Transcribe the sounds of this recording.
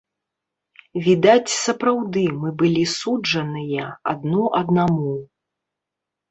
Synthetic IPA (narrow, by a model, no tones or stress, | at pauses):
vʲid̪at͡sʲsɐpɾawd̪ɨmɨbɨlʲisud͡ʐɐnɨjɐɐ̰d̪nɔʔɐd̪namu